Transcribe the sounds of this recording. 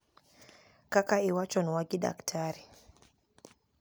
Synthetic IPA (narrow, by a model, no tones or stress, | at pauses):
kakaiwat͡ʃɔnwaɡiɗa̰ktʰaɾi